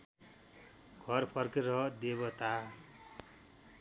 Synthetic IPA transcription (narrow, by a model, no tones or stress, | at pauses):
ɡʱʌrpʰʌrkeɾʌd̪eβʌt̪a